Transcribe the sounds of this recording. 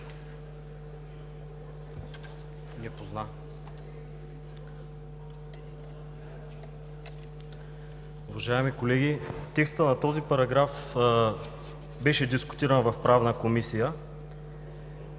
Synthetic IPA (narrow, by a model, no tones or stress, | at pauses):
nɛpozna | ʊvɐʒaɛmikolɛɡit̪ɛkst̪ənɐt̪ɔzipɐɾɐɡɾaf | bɛʃɛd̪iskʊ̥t̪iɾənvɐfpɾavnəkomisijə